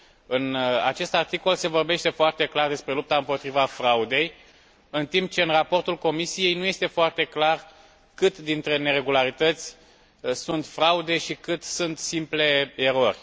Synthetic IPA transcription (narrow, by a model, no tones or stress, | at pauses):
ɨna̰t͡ʃe̞st̪art̪iko̞lse̞vo̞rbe̞ʃt̪e̞foart̪e̞klard̪e̞spɾe̞lup̚t̪aɨmpo̞t̪ɾivafɾaud̪e̞j | ɨnt̪imp̚t͡ʃe̞ɨnrapo̞rt̪ulko̞misije̞jnuje̞st̪e̞foart̪e̞klar | kɨt̪d̪int̪ɾe̞ne̞ɾe̞ɡulaɾit̪ət̪sʲ | sunt̪fɾaud̪e̞ʃikɨt̪sunt̪simple̞eɾo̞rʲ